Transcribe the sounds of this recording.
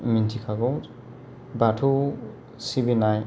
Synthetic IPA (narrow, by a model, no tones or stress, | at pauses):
mintʰikʰaɡɔ | batʰu | sibinaj